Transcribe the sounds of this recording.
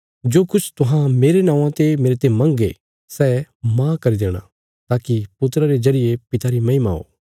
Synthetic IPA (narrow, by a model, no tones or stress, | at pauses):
d͡ʒoːkʊt͡ʃʰt̪ʊɦãmeːɾenãːãt̪emeːɾet̪emɐ̃ŋɡḛ | sɛmãkɐɾid̪eːɽ̃a̰ | t̪aːkipʊt̪ɾəɾed͡ʒɐɾɪjepɪt̪aɾimɐɪma̰ɦo̰ː